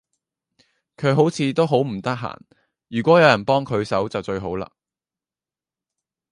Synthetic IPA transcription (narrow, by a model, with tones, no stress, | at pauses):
kʰɵ˨˧ɥɦo˨˥wt͡sʰiː˨˧t̪o˥wɦo˨˥wm̩˨˩t̪ɐ˥k̚ɦa̰ː˨˩n | jyː˨kʷɔː˨˥jɐ˨˧wjɐ˨˩npɔː˥ŋkʰɵ˨˧ɥsɐ˨˥wt͡sɐ˨wt͡ʃɵ˧ɥɦo˨˥wla̰ː˧